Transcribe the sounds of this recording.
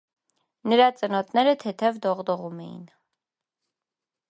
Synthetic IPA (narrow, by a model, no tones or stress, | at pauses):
nəɾɑt͡sʼənɔt̪nɛɾət̪ʰɛt̪ʰɛvd̪ɔʁd̪ɔʁumɛ̰jḭn